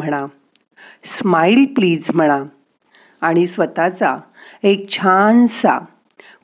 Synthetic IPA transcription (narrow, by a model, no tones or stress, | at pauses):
əɽ̃a | smailpliːd͡zm̤əɽ̃aː | ɽ̃isʋət̪at͡sa̰ | ek̚t͡ɕʰansa̰